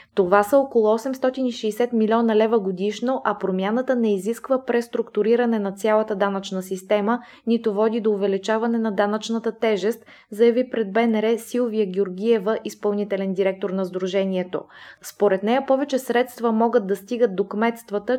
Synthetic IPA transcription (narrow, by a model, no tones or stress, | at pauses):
t̪ovasəokolˠʊɔsɛmst̪ɔt̪iniʃɛːsɛt̪milʲɔnəlɛvəɡod̪iʃnoʔɐpɾomʲjanət̪ənɛiziskvəpɾɛst̪ɾʊkt̪ʊɾiɾɐnɛnɐt̪sʲjalˠət̪əd̪anət͡ʃnəsist̪ɛmə | nit̪ovɔd̪id̪oːvɛlit͡ʃavɐnɛnɐd̪anət͡ʃnət̪ət̪ɛʒɛst̪ | zɐjɐvipɾɛd̪̚bɛnɛɾɛsilˠviəɡʲioɾɡʲijɛvəʔispɐlˠnit̪ɛlɛnd̪iɾɛk̚t̪oɾnɐzd̪ɾuʒɛniɛt̪o̰spoɾɛt̪nɛjəpɔvɛt͡ʃɛsɾɛt̪st̪vəmɔɡəd̪̚d̪ːɐst̪iɡəd̪̚d̪okmɛt̪st̪vət̪ə